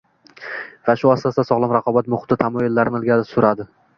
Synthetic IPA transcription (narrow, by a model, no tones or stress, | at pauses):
vaʃʊast̪asasɒʁlˠamɾaqʰɒbat̪mʊχt̪ːɪt̪ʰamɒjʊlːaɾnɪlˠɡʲasʊɾad̪ɪ